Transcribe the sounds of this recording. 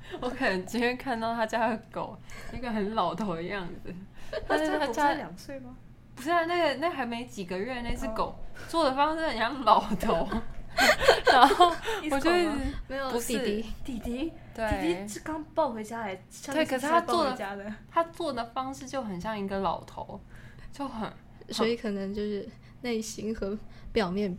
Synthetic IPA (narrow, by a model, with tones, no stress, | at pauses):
wɔ˧˥kʰə˨˩nə˧˥ŋt͡ɕʰi˧˥nɥɛ˥˧kʰa˥˧nt̪ɑ˥˩ʊt̪ʰa˥t͡ɕja˥ə˩˦ko˨˩ʊi˥ɡə˨xə˧˥nlɑ˨˩ʊt̪ʰo˨˥ʊd̪ə˧jɑ˥˩ŋd͡zɹ̩˩t̪ʰa˥˧˥a˥t͡ɕja˥ljɑ˨˩ŋswe˥˩ɪmɐ˩ | pu˧ʂna˥˩ɡə˩na˥˩ɪxa˧˥ɪme˧˥ɪt͡ɕi˨˩ɡə˨˦ɥɛ˥˧ne˥˧t͡sʰɹ̩˥˩ko˨˩˦ʊt͡swɔ˥˩d̪ə˩fɑ˥ŋʂɻ̩˥˩xə˨˩nɕjɑ˥˩ŋlɑ˨˩ʊt̪ʰo˨˩˦ʊ | a˥˧˥o˥˩wɔ˨t͡ɕɔ˥me˧˥ɪjo˨˩˧i˨˩˥i˧˥t̪i˨˩t̪i˧˥t̪we˥i˨˩t̪i˧˥˩kɑ˥ŋpɑ˥˩ʊxwe˧˥ɪt͡ɕja˥la˧˥ɪ | ɕɑ˥˧we˥˩kʰə˨˩ʂɻ̩˥˩t̪ʰa˥wɔ˥˩d̪ə˨˩a˥d̪ə˨t̪ʰa˥t͡swɔ˥˩d̪ə˩fɑ˥ŋʂɻ̩˥˧t͡ɕjo˥˩ʊxə˨˩nɕjɑ˥˩ŋi˧˥ɡə˧lɑ˨˩ʊt̪ʰo̰˧˦˥ʊt͡ɕjo˥˩ʊxə˨˩˦n | swwɔ˧˥i˨˧˥kʰɤ˨˩nɤ˧˥ŋt͡ɕjo˥˧ʊʂɻ̩˥˧ | ne˥˩ɪɕi˧˥ŋxɤ˧˥pjɑ˨˩ʊmjɛ˥˩n